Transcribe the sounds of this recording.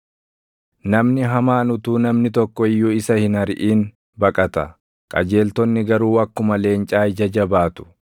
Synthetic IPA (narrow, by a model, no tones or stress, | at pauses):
nɐmnɪɦɐmaːnʊt̪uːnɐmnɪt̪ɔkːɔɪjːuːɪsɐhɪnɐɾʔiːn | bɐkʼɐt̪ɐ | kʼɐ̰d͡ʒe̞ːlt̪ɔnːɪɡɐɾuːɐkːʊmɐle̞ːnt͡ʃʼaːɪd͡ʒɐd͡ʒɐbaːt̪ʊ̥